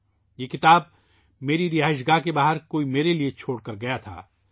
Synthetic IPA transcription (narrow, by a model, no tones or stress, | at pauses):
jeːkɪt̪aːb̚ | meːɾiɾɪɦaːɪʃ̬ɡakebaːɦəɾkoːimeːɾeliet͡ʃʰoːɽkɐɾɡɐjat̪ʰa̰ː